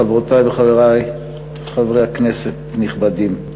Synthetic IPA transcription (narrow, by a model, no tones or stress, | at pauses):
avʁot̪ajbeχaveʁaj | χavʁejhakneset̪niχbad̪im